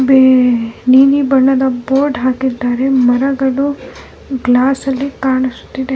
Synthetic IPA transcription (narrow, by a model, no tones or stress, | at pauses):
beniːnibɐɳːɐd̪ɐboːɾɖɦaːkid̪aːɾemɐɾɐɡɐɽu | ɡlaːsɐlːikaːɳɐsu̥t̪ːid̪e